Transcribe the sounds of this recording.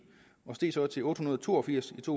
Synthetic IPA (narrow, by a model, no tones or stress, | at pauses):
ɒ̽sd̥e̝̰ːsɒ̽t͡sʰe̝ʔɔ̽ːd̥hunɐðˠt͡sʰo̝̰ːɒ̽fiɐ̰sit͡sʰo̝̰ː